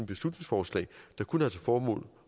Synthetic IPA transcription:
b̥e̝slud̥ne̝ŋsfɒːslɛ̰ːɪd̥ɑ̈kʰunæt͡sʰe̝lfɒːmɔ̰ːl

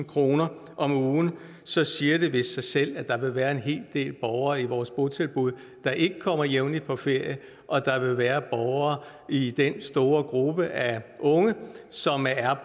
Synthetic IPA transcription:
n̩kʰʁo̝ːnɐ | ʔɒ̽muːn̩ | sɒ̽siːɐɾ̥e̝ʋe̝sːɑ̈ɪsel̰æd̥ɑ̈ʋe̝ʋæːɐe̝nɦe̝̰ːld̥e̝̰ːlb̥ɒʊɐːiʋɒːsb̥ot͡sʰe̝lb̥uð̞̰ˠ | d̥ɑ̈ʔe̝ɡ̥əkʰɒ̽m̰ɐjeʊnlipʰɒ̽fe̝ɐ̰jə | ʔɒ̽d̥ɑ̈ʋe̝ʋæːɐb̥ɒʊɐː | id̥ensd̥o̝ːɐɡ̥ʁub̥əʔæʔɔ̽ŋəsɒ̽mæɐ

